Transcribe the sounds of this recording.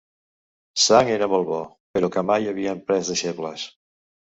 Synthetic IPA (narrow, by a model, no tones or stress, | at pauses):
saŋeɾəmolˠβɔ | pəɾokəmajəβ̞iəmpɾɛzðəʃepləs